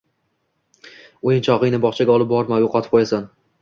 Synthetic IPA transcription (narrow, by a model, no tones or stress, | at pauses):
ojɪnt͡ʃʰɒʁɪjnɪbɒχt͡ʃʰaɡʲaɒlˠɪp̚bɒɾmajoqʰɑt̪ʰɪ̥p̚qʰojasan